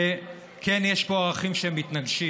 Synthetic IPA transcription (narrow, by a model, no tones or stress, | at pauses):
kenjeʃpo̞aʁaχimʃeemːit̪naɡʃi